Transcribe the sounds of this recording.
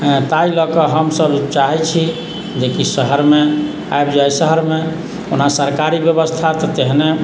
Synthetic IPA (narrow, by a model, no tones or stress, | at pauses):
t̪ailɔkəɦəmsəbt͡ʃaɦɛt͡ʃʰi | d͡ʒekisəɦəɾme | a̰ebd͡ʒajsəɦəɾme | onasəɾkaɾibjəbəst̪ʰat̪ɔt̪eɦne